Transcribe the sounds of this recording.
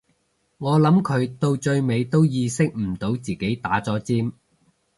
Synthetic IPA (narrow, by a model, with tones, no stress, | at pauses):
ŋɔː˨˧lɐ˨˥mkʰɵ˨˧ɥt̪o˧wt͡ʃɵ˧ɥme˨˧jt̪o˥wjiː˧sɪ˥k̚m̩˨˩t̪o˨˥wt͡siː˨ke˨˥jt̪aː˨˥t͡sɔː˨˥t͡siː˥m